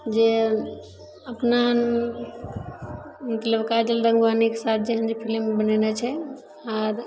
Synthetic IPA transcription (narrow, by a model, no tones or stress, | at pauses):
d͡ʒe | əpna | mət̪ləbkad͡ʒəlɾə̃ŋɡʋanikesat̪̚ʰd͡ʒeɦənd͡ʒepʰilimbənenet͡ʃʰɛ | aɾ